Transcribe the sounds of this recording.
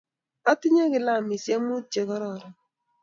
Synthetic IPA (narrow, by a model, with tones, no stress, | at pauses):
a˦tɪ˦ɲa˦kɪ˨la˦˨mi˨sja˦mu˦t͡ʃe˨ɣɔ˦ɾɔ˦˨ɾɔ˨